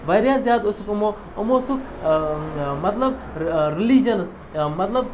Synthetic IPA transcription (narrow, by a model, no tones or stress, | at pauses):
ʋɐɾjaːzjaːd̪ʊsukʊmo | ʊmosuk | mɐt̪lɐb̚ | ɾɪlid͡ʒɐns | mɐt̪lɐb̚